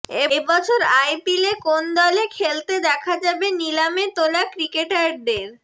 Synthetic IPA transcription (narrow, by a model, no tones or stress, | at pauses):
ebɔt͡ɕʰoɾajpilekond̪ɔlekʰelt̪ed̪ɛkʰad͡ʑabenilamet̪olakɾikeʈad̪eɾ